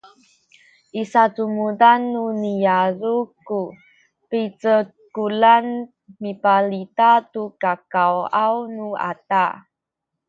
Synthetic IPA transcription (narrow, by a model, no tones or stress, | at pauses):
ʔisatumudanːunijaɾuku | pit͡sə | kulan | mipalitatukakawawnua̰ta